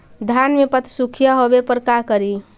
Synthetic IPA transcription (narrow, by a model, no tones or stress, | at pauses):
d̪ʱjanmepət̪ʰsukʰijaɦobepəɾkakəɾi